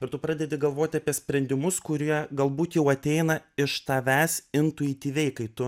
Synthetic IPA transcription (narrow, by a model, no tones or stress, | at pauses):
ɪɾt̪ʊpɾɑːd̪ʲɛd̪ʲɪɡɐlˠʋoːt̪ʲɪɐpʲiɛsʲpʲɾʲɛnʲd̪ʲɪmʊskʊɾʲiɛɡɐlˠbuːt̪jɛʊɐt̪ʲɛɪnɐɪʃt̪ɑʋʲæːsɪnt̪ʊɪt̪ʲiːʋʲɛɪkɐɪt̪ʊ